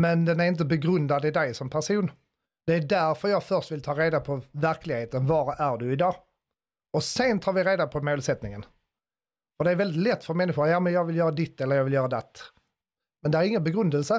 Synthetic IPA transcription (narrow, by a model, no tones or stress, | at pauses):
mɛnd̪ɛnæɾɪnt̪̬əbɛɡɾɵnd̪ad̪ɪd̪ɛjsɔmpʰæɾʂuːn | d̪̥ɛæɖæɾfœɾjɑːɡfœɾʂt̪vɪlt̪ʰɑːɾeːd̪apʰɔvæɾklɪɡheːt̪ənvɑɾæɖɵɪd̪ɑː | ɔsɛnt̪ʰɑːɾvɪɾeːd̪apʰɔmoːlsɛt̪nɪŋən | fœɾɖɛæɾvɛld̪ɪt̪lɛt̪ːfœɾmɛnːɪɧʊɾjɑːmənjɑːɡvɪljœːɾad̪ɪt̪ːɛlːəɾjɑːɡvɪljœːɾad̪ɛt̪ː | mɛnd̪ɛæɾɪŋːənbɛɡɾɵnd̪əlsə